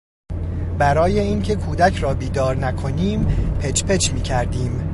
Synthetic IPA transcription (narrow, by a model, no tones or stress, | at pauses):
bæɾɒːje̞iːŋcʰe̞kʰuːd̪æcʰɾɒːbiːd̪ɒːɾnækʰo̞niːmpʰet͡ʃpʰe̞t͡ʃmiːcʰæɾd̪iːm